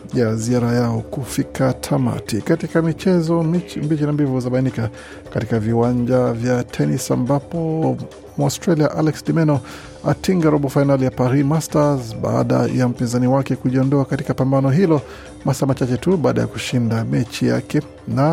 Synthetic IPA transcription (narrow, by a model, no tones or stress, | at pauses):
jaziaɾajaɔkufikʰatʰama̰tikatikamit͡ʃɛzɔmbit͡ʃinambivuzaɓainika | katikaviwaɲd͡ʒavjatʰɛnisa̰mbapɔ | mastɾaliaʔalɛksdimɛnɔ | a̰tiŋɡaɾɔɓɔfainalijapaɾimastazɓa̰a̰ɗa̰jam̩pinzaniwakɛkuʄiɔndɔakatikapambanɔɦilɔ | masamat͡ʃat͡ʃɛtuɓaːɗa̰ja̰ku̥ʃindamɛt͡ʃija̰kɛ | na